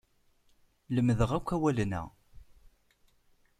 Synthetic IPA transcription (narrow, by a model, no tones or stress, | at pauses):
ləmːðəʁækʷːæwælənæ̰